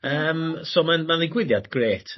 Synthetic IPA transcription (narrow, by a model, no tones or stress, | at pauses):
əːmsoːmanmanlˠɪɡwɪðjadɡreːtʰ